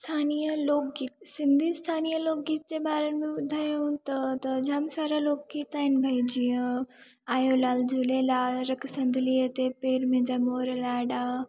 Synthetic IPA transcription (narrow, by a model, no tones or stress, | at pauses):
st̪ʰaːnijəloːk̚ɡiːt̪sɪ̃nd̪ʱiːst̪ʰaːnijəloːk̚ɡiːt̪̚d͡ʑeːɓaːɾənmẽʋʊd̪ʱaːjũt̪ɐt̪ɐd͡ʑaːmsaːɾaloːk̚ɡiːt̪aːɪnbʱɐid͡ʑiə̃ | aːjolaːld͡ʑuleːlaːɾɐkʰsɐ̃nd̪ʱɪliət̪epeːɾmẽd͡ʑaːmoːɾlaːɗaː